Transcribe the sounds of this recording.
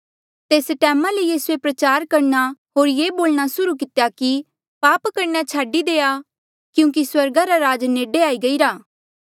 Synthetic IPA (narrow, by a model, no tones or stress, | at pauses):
t̪eːsʈɛːmalejiːsuepɾɐt͡ʃaːɾkɐɾnaɦoːɾjeːboːlɽ̃asʊɾuk̬ɪt̪jaki | paːpkɐɾnat͡ʃʰaːɖid̪eːa | kjũːk̬iswɐɾɡaɾaɾaːd͡ʒneːɖeaːiɡɐiɾaː